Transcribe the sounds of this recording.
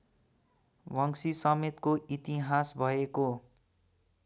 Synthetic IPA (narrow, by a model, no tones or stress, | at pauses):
bʱʌŋsisʌmet̪koʔit̪iɦasbʱʌeko